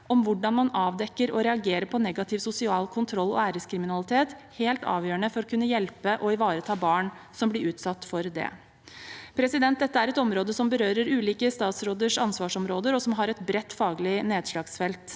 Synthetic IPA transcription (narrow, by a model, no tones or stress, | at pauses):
ʔɔmʋʊɖɑnmɑnɑːʋd̪ɛkːəɾɔɾɛɑɡeːɾəpʰɔnɛɡɑt̪ʰɪʋsʊsɪɑːlkʰʊnt̪ʰɾɔlːɔ̰æːɾəskʰɾɪmɪnɑlɪt̪ʰeːt̪heːlt̪ɑ̰ːʋjøːəɳəfɔɾɔkʰʉnːəjɛlpəʔɔɪʋɑːɾət̪ʰɑːbɑːɳsɔmblɪɾʉːt̪sɑt̪ːfɔɾd̪ɛ̰ | pʰɾɛsɪd̪ɛnt̪̚d̪ɛt̪ːəæɾɛt̪ɔmɾoːd̪əsɔmbəɾøːɾəɾʉːliːkəst̪ɑːt̪sɾoːd̪əʂɑnsʋɑːʂɔmɾoːd̪əɾɔsɔmɦɑɾɛt̪bɾɛt̪ːfɑːɡlɪneːd̪ʂlɑːɡsfɛlt̪